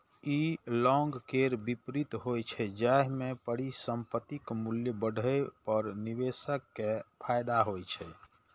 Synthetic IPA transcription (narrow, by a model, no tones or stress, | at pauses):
ilɔŋɡkeɾbipɾit̪ɦojt͡ʃʰɛd͡ʒaɦmẽpəɽ̤isəmpət̪ikmuljəbəɽʱəepəɾnibesəkːepʰajd̪aɦojt͡ʃʰɛ